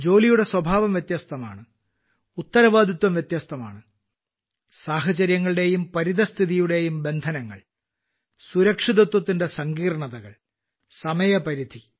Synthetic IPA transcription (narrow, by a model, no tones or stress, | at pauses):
d͡ʑo̞ːlijuɽe̞swɐbʱaːʋɐmjet̪jɐːst̪ʰɐma̰ːɳɨ | ut̪ːɐɾɐʋaːd̪ʱit̪wɐmʋjet̪jast̪ʰɐma̰ːɳɨ | saːɦɐt͡ɕɐɾjɐŋːɐɭɨɽe̞jumpɐɾiðɐst̪ʰiðijuɽe̞jumbe̞nd̪ʱɐnɐŋːɐ̰ɭ | suɾɐkʂiðɐt̪wɐt̪ːinde̞sɐŋɡiːrɳɐðɐɣɐɭ | sɐmɐjɐpɐɾid̪ʱi